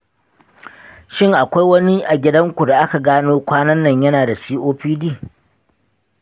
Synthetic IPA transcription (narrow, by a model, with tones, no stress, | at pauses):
ʃɪ˦˨ŋʔa˨kʷa˦jwɐ˦ni˦ʔa˨ɡʲɪ˦dɐ˦ŋkʷu˨da˨ʔa˦ka˨ɡaː˦noː˦kʷaː˦nɐ˦nːɐ˨ɲjɐ˦naː˨da˨siː˦ʔoː˦ɸiː˦diː˦˨